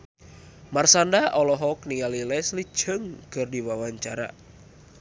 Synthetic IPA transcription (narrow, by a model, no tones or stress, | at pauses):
marsandaʔɔlɔɦɔk̚niŋalilɛsli̥d͡ʒ̥əŋkɨrdiwawaɲt͡ʃaɾa̰